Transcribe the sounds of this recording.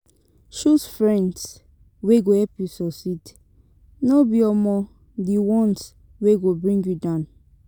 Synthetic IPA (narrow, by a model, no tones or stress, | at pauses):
ʃusfɹɛ̃nds | weɡohɛpjusɔsit | nɔbiɔmɔ | diwɔ̃ns | weɡobɹĩŋɡjudãn